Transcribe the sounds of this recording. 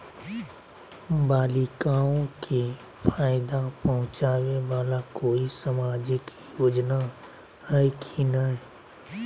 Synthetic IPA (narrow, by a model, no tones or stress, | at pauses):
baːlikaːõkʰi | pʰaːjd̪apəɦʊ̃t͡ʃaːweʋaːlakoːisəmaːd͡ʒɪk | joːd͡ʒna | həikʰiːnaɦɛː